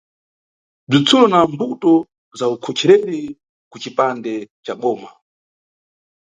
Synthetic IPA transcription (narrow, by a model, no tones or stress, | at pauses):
b͡ʐit͡sʰulɔnambutɔ | zaukʰɔt͡ʃʰɛɾɛɾi | kut͡ʃipandɛt͡ʃaɓɔːma